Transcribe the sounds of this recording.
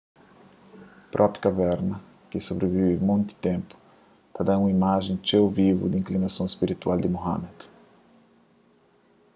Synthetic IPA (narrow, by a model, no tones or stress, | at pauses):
pɾʔɔpjkavɛɾnɐ | kɪsobɾevivɪmõnt̪i̥t̪ẽmpʊ̥ | t̪ad̪aũimaʒẽj̃t͡ʃewvivṵd̪ĩŋklinasõw̃spiɾit̪wald̪ɪmoha̰mɛd̪